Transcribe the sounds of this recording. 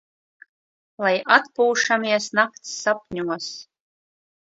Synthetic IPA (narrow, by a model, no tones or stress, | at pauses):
lˠajʔat̪puːʂamiɛsnakt̪sːap̚nʲuɔs